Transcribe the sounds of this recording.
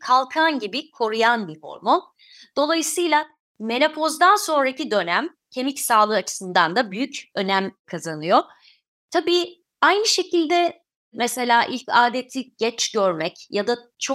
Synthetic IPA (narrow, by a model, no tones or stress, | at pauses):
kʰalˠkʰanɟibikʰo̞ɾujanbiho̰ɾmo̞n | d̪̥o̞lˠajɯsɯjlˠa | me̞nʲapʰo̞zd̪anso̞nɾacid̪ø̞næm | cʰe̞micsaːlˠɯːat͡ʃʰɯ̥sɯnd̪and̪abyjycø̞næmkʰazanɯjo̞ | t̪ʰabiː | ajnɯʃe̞cʰilʲd̪ɛ | mese̞lʲaːʔilʲcaːd̪et̪ʰiɟ̥ɛt͡ʃɟøɾmɛcjad̪at͡ʃʰo̞k̚